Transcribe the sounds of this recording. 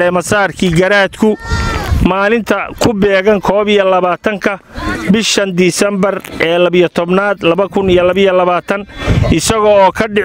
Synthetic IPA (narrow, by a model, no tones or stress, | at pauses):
ɛːmɐsaːrkʰiːɡɐɾaːd̪kʰʊ | maːlɪnt̪ʰɐkʰʊbɛːɣɐŋkʰɔːβijɐlɐβaːt̪ʰɐŋkʰɐ | bɪʃɐnd̪iːsɛmbɐrʔɛːlɐβijɔt̪ʰɔbnaːd̪lɐβɐkʰʊnijɐlɐβɪjɔlɐβaːt̪ʰɐnʔɪsɐɣɔːɔːkʰɐɖɪ